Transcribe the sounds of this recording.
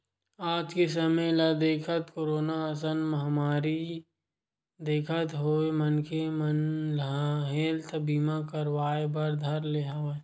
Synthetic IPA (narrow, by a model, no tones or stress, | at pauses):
aːd͡ʒkesəməjlɐd̪eːkʰət̪koːɾoːnaəs̬ənməɦmaːɾi | d̪eːkʰət̪ɦoːemənkʰemənlaaɦeːlt̪ʰbiːmakəɾwaːebəɾd̪ʱɐɾleːɦawe